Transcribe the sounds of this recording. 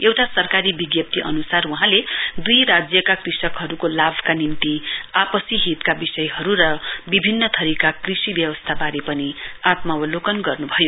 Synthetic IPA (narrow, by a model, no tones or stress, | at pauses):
ewʈasʌrkaɾibiɡjʌp̚t̪iʔʌnusaruɦãled̪ujɾad͡zjʌkakrisʌkɦʌɾukolabʱkanint̪iapʌsiɦit̪kabisʌjɦʌɾuɾʌbibʱinːʌt̪ʰʌɾikakrisibjʌwʌst̪ʰabaɾepʌniat̪mawʌlokʌnɡʌrnubʱʌjo